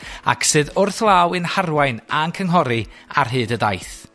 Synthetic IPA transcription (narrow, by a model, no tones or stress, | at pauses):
a̰kʰsɨːðʊrθlˠawɨnharwajnankʰəŋɦɔɾia̰rɦɨːdədajθ